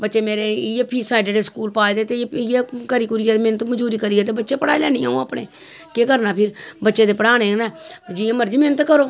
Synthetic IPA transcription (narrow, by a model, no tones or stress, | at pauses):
bətːʃeːmeːɾeːepʰiːsaːɪɖeɖeskuːlpaːed̪eːt̪ejeːkəɾiːkʊɾɪjaːd̪emɪnət̪məd͡ʒuːɾiːkəɾiɛːt̪̬eːbətːʃeːpəɽaːilɛːnĩãːũːaːpɽḛː | keːkəɾnaːpʰɪɾbətːʃeːt̪eːpəɽaːneːnad͡ʒiːãːməɾd͡ʒiːmɪnət̪kəɾoː